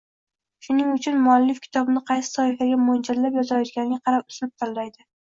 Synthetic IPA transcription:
ʃʊnɪŋʊt͡ʃʰʊnmʊalːɪfkʲʰɪ̥t̪ʰɒbɪnɪqʰɑjsɪ̥sɒhɪfaɡʲamond͡ʒaɾlapjɒzajɒt̪ɡʲanɪɡʲaqʰɑɾap̚ʊslɪp̚t̪ʰalːajd̪ɪ

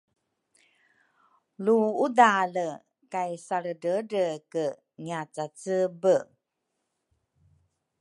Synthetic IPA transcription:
luudalə | kajsaɾədəɾəkə | ɲat͡sat͡səbə

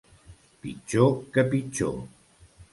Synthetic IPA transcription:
pḭt͡ʃokəpit͡ʃo̰

